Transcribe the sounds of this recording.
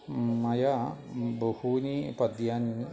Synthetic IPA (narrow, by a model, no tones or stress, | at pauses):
mɐjabohunipɐd̪jan